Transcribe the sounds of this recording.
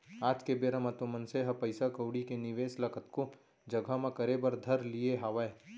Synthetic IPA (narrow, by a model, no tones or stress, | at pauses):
aːd͡ʒkebeːɾəmət̪omənseɦɐpɐɪsakəʊɽikenɪʋeːslɐkʰət̪ko | d͡ʒɐɡʱamẽkəɾebəɾd̪ʱɐɾlieɦaːʋae